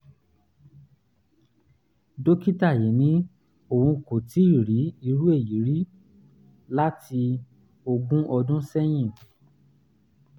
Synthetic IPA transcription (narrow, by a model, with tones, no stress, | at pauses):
do˦ki˦ta˦˨je˨˦nĩ˨˦ | o˨ũ˧ko˨ti˨˦i˦˨ɾi˨˦i˧ɾu˦e˦˨ji˨˦ɾi˦ | la˦tʰi˧ | o˧ɡũ˦ʔɔ˧dũ˦sɛ˦j̃ĩ˦˨